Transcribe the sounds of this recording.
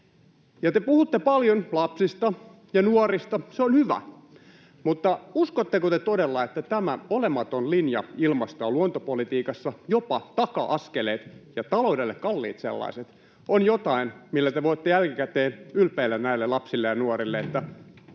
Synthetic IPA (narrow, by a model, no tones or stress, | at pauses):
jɑt̪epuhut̪ːepɑljonlɑpsist̪ɑ | jɑnuorist̪ɑseonhyʋæ̰ | mut̪ːɑuskot̪ːekot̪et̪odelːɑet̪ːæt̪æmæolemɑt̪onlinjɑilmɑst̪ɑːluont̪opolit̪iːkɑsːɑjopɑt̪ɑkɑ̰ʔɑskeleːt̪jɑt̪ɑloudelːekkɑlːḭːt̪sḛlːɑ̰iset̪ | onjot̪ɑinmilːæt̪eʋoit̪ːejælkikæt̪eːnylpeilːænnæilːelɑpsilːejɑnuorilːeet̪ːæ